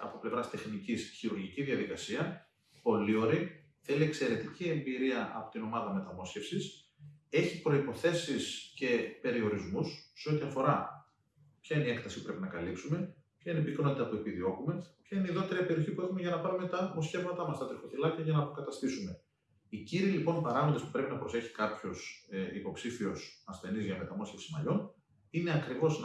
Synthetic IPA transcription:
ɐ̰po̞ple̞vɾɐst̪e̞xnicisçiɾuɾʝiciðiɐðikɐsiɐ | po̞lio̞ɾi | θe̞lie̞kse̞ɾe̞t̪icie̞mbiɾiɐʔɐ̰po̞̥t̪ino̞mɐðɐme̞t̪ɐmo̞sçe̞fsis | e̞çipɾo̞ipo̞θe̞sisce̞pe̞ɾio̞ɾizmusːeo̞t̪iɐfo̞ɾɐ | pçɐineie̞kt̪ɐsi̥pu̥pɾe̞pinɐkɐlipsume̞pçɐineipikno̞t̪it̪ɐpue̞piðio̞kume̞pçɐineiðot̪eɾiɐpe̞ɾioçipuexume̞ʝɐnɐpɐɾume̞t̪ɐmo̞sçe̞vmɐt̪ɐmɐst̪ɐt̪ɾixo̞θilɐcɐʝɐnɐːpo̞kɐt̪ɐst̪isume̞ | iciɾilipo̞npɐɾɐɣond̪espu̥pɾe̞pinɐpɾo̞se̞çi̥kɐpço̞sipo̞psifio̞sɐsθe̞nizʝɐme̞t̪ɐmo̞sçe̞fsimɐ̰ʎo̞n | ine̞ɐkɾivo̞z

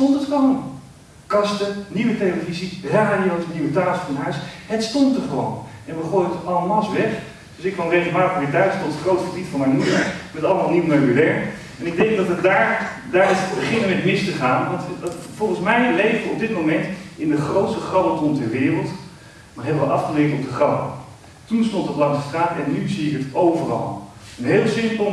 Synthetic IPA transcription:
stɔntətkɑl | kɑstəniʋəteoviziəɦɛradiowsniwətaːsfɔənɦœɥsɦətstɔntəvəʋɑ̰nɛnʋəχoːjtɑlˠəmɑsʋɛχ | d̥ɵsɪkʋɑnrejkənbaːəʋɪːɹtdœɥtstɔtətχrowtχəbitfɑnmɛjnmudəɹmɛtɑlˠəmaːlˠniwnaməlɛɹ | ɛnɪɡ̚dɛŋɡ̚dɑtədaːɹ | daːɹɑtbəχɪnəmɛtmɪstəχaːnʋɑntfɔlˠχənsmɛjlejvdəɔb̚dɪtmowmɛntɪndəχrowtstəχrɑbəlˠtɔntɛɹʋɪːrəlˠt | nɔχɦeːlˠʋɑlˠɑfχəlɪtəɔb̚dəχrɑbə̰ | tunstɔntəblɑŋsəstraːtɛnːyziɪkətowvərɑ̰lˠ | ənɦeːlˠsɪnpo

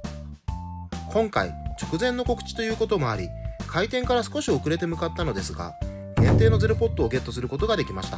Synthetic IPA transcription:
kʰõ̞ŋka̰it͡ɕo̞̥kɯ̟zẽ̞nːo̞ko̞kɯ̟̥t͡ɕi̥t̪o̞jɯ̟ːko̞t̪o̞mo̞aɾʲikʰait̪ẽ̞ŋkaɾasɨ̥ko̞ɕiokɯ̟ɾe̞t̪e̞mɯ̟kat̪ːano̞d̪e̞sɨɡa̰ | ɡ̥ẽnt̪e̞ːno̞zeɾopo̞t̪ːoːɡe̞t̪ːo̞sɨɾɯ̟ko̞t̪oɡad̪e̞kʲimaɕi̥t̪a

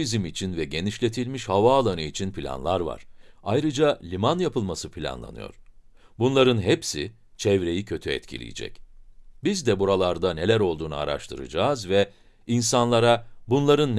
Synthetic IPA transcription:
izimit͡ʃʰinvɛɟe̞niʃlʲe̞t̪ʰilʲmiʃhavaːlˠanɯit͡ʃʰinpʰilʲa̰nlˠaɾva̰ɾ̥ajɾɯd͡ʒalʲimanjapʰɯlˠmasɯpʰilʲa̰nlˠa̰nɯ̰jo̞̰ɾ̥ | bunlˠaɾɯnɦepsḭ | t͡ʃʰɛvɾe̞jicʰø̞t̪ʰyɛ̰t̪cʰḭlʲḭjḭd͡ʒɛ̰cbizd̪ɛbuɾalˠaɾd̪ane̞lʲæɾo̞lˠd̪uːnua̰ɾa̰ʃt̪ʰɯɾɯ̰d͡ʒaːzvɛ | insanlˠaɾabunlˠaɾɯnː

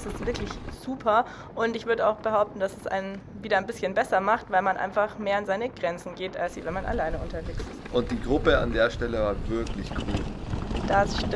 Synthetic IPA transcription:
sɪstv̥ɪɐklɪçz̥uːpʰɐ | ʔʊntɪçv̥ʏɐdəaʊxb̥əhaʊp̚tn̩d̥asɛsʔa̰ɪnən | viːɾɐaɪnbɪsçənbɛsɐmaχtvaɪlmanʔa̰ɪnfaχmeːɐanzaɪnəɡ̥ʁɛnt͡sn̩ɡeːta̰lsiːvɛnmanʔa̰laɪnəʊntɐveːksɪstʔʊnt̚d̥iːɡʁʊpəa̰ndeːɐʃtɛləvaːɐvɪɐklɪçkʰṵːld̥asʃ

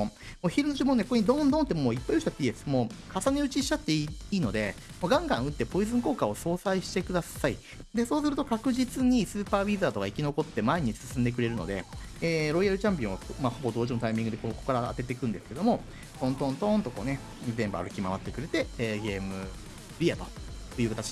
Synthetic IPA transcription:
moːçiɾɯ̟noʑimonekokoɲ̟id̪õ̞nd̪õnt̪ːemoːipːaioɕt͡ɕat̪ːeiːd̪esɨ̥moːkasaneɯ̟t͡ɕiɕi̥t͡ɕat̪ːe̞iːno̞d̪e̞moɡãŋɡã̰ɰ̃ɯ̟t̪ːe̞po̞izɨ̃ŋko̞ːkao̞so̞ːsaiɕi̥t̪e̞kɯd̪asaḭ | d̪e̞so̞ːsɨɾɯ̟t̪o̞kakɯ̟ʑit͡sɨɲ̟isɨːpaːbʲizaːt̪o̞kaikʲino̞ko̞t̪ːe̞maeɲ̟isɨ̥sɨ̃nd̪e̞k̬ɯ̟ɾe̞ɾɯ̟no̞̰d̪e̞̰eːɾo̞iaɾɯ̟t͡ɕãmpʲĩɰ̃akmaho̞bo̞d̪o̞ːʑimo̞t̪aimʲĩŋɡɯd̪e̞koko̞kːaɾa̰ːt̪e̞t̪e̞kɯ̟̃nd̪e̞sɨ̥ke̞d̪o̞mo̞ | t̪õ̞nt̪õ̞nt̪õ̞nt̪o̞ko̞̰ne̞ | zẽ̞mbɯ̟a̰ɾɯ̟kʲimaβat̪ːe̞kɯ̟ɾe̞t̪e̞eːɡe̞ːmɯ̟ | ɾʲiat̪o̞̥̰jɯ̟ːkat̪at͡ɕi̥

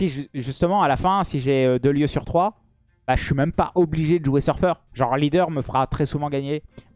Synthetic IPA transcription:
siʒʒyst̪əmɑ̃alafɛ̃siʒeød̪əljøsyʁt̪χwa | b̥aʒəʃɥimɛmpa̰ʔɔbliʒed̪əʒuesœʁfœʁʒɑ̃ʁlid̪œʁməfəʁat̪χɛsuvɑ̃ɡaɲe

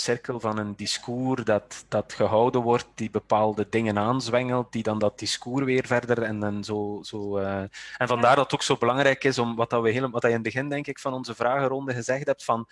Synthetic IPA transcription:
sɪrkəlˠvɑnəndiskuːrdɑtd̥ɑtxəɦɔwdənʋɔrt̚dibəpaːlˠdədɪŋənaːnzwɛŋəlˠt̚d̥idɑndɑt̚d̥iskuːrʋɪːrvɛrdərɛnɛnzoːz̥oː | ɛnvɑndaːrdɑtoːksoːbəlɑŋɾɛjkɪsɔmʋɑtɑwəɦɪːlʋɑtɛjɪnbəɣɪndɛŋkɪkfɑnɔnzəvraːɣərɔndəɣəzɛxtɦɛp̚tfɑn

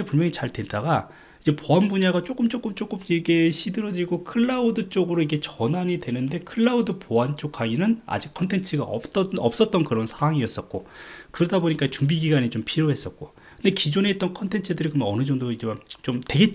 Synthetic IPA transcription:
epuɭmjʌŋit͡ɕaɭdwe̞ndaɡa | id͡ʑe̞poanbuɲaɡat͡ɕ͈ok͈ɯmt͡ɕ͈ok͈ɯmt͡ɕ͈ok͈ɯmikʰeɕʰidɯɾʌd͡ʑiɭɡokʰɯɭːaudɯt͡ɕ͈oɡɯɾoiɡe̞t͡ɕʌnaɲidwe̞nɯnde̞kʰɯɭːaudɯpoant͡ɕ͈ok͈ʰaŋinɯna̰d͡ʑikʰʌntʰe̞nt͡ɕʰɯɡa̰ʌ̰pt͈ʌʌp̚s͈ʌt̚t͈ʌnkɯɾʌnsʰaŋwaŋiʌs͈ʌt̚k͈okɯɾʌdaboɲik͈at͡ɕuŋbiɡiɡaɲit͡ɕompʰiɾoɦe̞s͈ʌk̚k͈o | kɯnde̞kid͡ʑone̞ːt͈ʌnkʰʌntʰe̞nt͡ɕʰɯdɯɾikɯɾmʌnʌnɯd͡ʑʌŋdoid͡ʑeat͡ɕomtwe̞ɡe̞

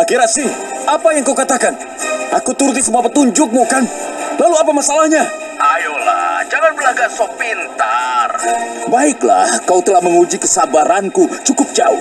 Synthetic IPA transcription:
akiɾasɪʔapajaŋkaukat̪akan | ʔakut̪uɾut̪̬isəmuapət̪uɲd͡ʒʊk̚mukanlaluapamasalahɲa | ajola̰d͡ʒaŋanbəlaɡasopint̪arbaɪkla̰hkaut̪əlahməŋud͡ʒikəsabaɾankut͡ʃukʊp̚d͡ʒaṵ

